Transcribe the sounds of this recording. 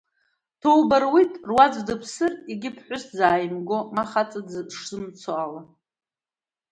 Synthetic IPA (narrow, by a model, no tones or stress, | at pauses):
tʰowbarwitʼrwad͡zdɨpʰsɨriɡʲɪpʰħʷʊszaːjmɡo̞maχat͡sʼad͡zʂz̥ɨmt͡sʰoala